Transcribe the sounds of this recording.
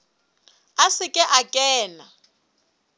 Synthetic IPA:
asɪkʼɛʔakʼɛːna

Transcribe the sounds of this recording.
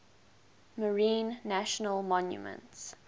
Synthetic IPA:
məɹĩːnːæʃənəlˠmɔ̃njṵmə̰̃nts

